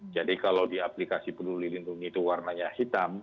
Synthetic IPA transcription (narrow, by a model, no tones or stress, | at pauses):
d͡ʒadikalawdiaplikasipədulilinduŋit̪uwarnaɲahit̪am